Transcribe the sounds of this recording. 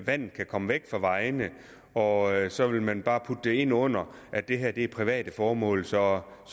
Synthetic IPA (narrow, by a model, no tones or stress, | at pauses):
ʋæn̰ð̩kʰækʰɒ̽məʋeɡ̥fʁɑʋɑ̈ɪnə | ɒ̽sɒ̽ʋe̝lmænb̥ɑ̈ːpʰud̥ə̥ːe̝e̝n̰ɔ̽n̰ɐʔæd̥e̝ɦæɐd̥e̝æɐpʰʁiʋɛ̰ːd̥əfɒːmɔ̰̽ːlsɒ̽s